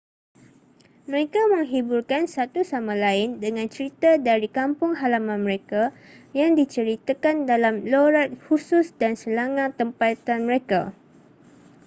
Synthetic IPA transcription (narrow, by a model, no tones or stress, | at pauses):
məɾekamə̃ŋɦiburkansat̪usamãlaɪndəŋãnt͡ʃəɾit̪adaɾikampʊŋɦalamãnməɾeka | jaŋdit͡ʃəɾit̪akandalamloɾat̪̚husʊsdansəlaŋãt̪ːəmpat̪anmə̃ɾeka